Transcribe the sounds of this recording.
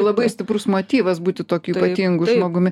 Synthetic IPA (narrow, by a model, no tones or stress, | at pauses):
lˠɐbɐɪsʲt̪ʲɪpɾʊsmoːt̪ʲiːʋɐsbuːt̪ʲɪt̪oːkʲʊipɐt̪ʲiːŋɡʊʒmoːɡʊmʲɪ